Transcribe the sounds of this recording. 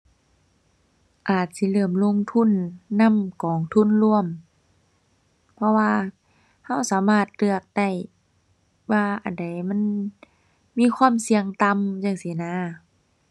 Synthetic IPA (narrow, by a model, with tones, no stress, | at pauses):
ʔaː˨˩t̪̚si˧˦lɤː˧˩əmlo˧˥˨ŋt̪ʰu˧˥˨nːa˧˥˨mkɔː˨˩ŋt̪ʰu˧˥˨nlu˧əm | pʰɔ˧waː˧ | ha˧˥˨wsaː˨˦maː˧˩t̪̚lɯ˧˩ək̚da˧˩j | waː˧˩ʔa˨˩nda˨˩jma˧˥˨n | miː˧˥˨kʰwaː˧˥˨msi˧˦əŋt̪a˧˨mjaː˧˩ŋsi˨˦naː˧˨